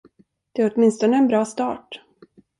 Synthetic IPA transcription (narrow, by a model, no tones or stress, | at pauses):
d̪̥ɛæɾɔt̪mɪnst̪ɔnəɛnbɾɑːst̪ɑ̰ːʈ